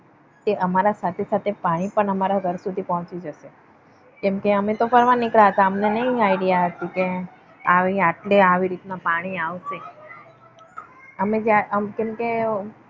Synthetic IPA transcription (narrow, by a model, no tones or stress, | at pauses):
t̪eʔəmaɾasat̪ʰesat̪ʰepaɽ̃ipəɳəmaɾaɡʱəɾsud̪ʱipɔɦɔ̃t͡ʃid͡ʒəʃe | kɛmkeəmet̪ofəɾʋanːɪkɾaɦət̪aəmnenəĩaiɖijaɦət̪ike | aʋĩaʈleaʋiɾit̪napaɽ̃iaʋʃe | əmed͡ʒeaəmkɛmke